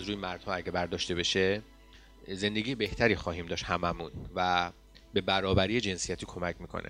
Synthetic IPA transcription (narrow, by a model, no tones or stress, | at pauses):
zɾuːjemæɾd̪̥hɒːæɟebæɾd̪ɒːʃt̪e̞be̞ʃe | ze̞nd̪eɡiːjebe̞ht̪ʰæɾiːxɒːɦiːmd̪ɒːʃt̪hæmæmunvæ | be̞bæɾɒːbæɾiːe̞d͡ʒe̞nsijæt̪ʰiːkʰo̞mæcʰmiːkʰo̰nʔḛ